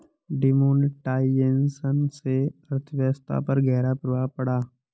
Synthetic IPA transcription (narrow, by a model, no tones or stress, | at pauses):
ɖɪmoːnʈaːiensənseəɾt̪ʰəʋjəst̪ʰa̰pɐɾɡɛːɾapɾuʋapɐɽaː